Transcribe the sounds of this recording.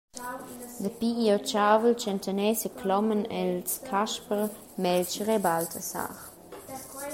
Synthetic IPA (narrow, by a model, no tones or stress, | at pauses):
dəpiiɔt͡ʃaːvəlt͡ʃɛntʰənɛsəkʰlɔmənɛlskʰaʃpəʁ | mɛlt͡ʃəʁɛbaltʰəsa̰ːχ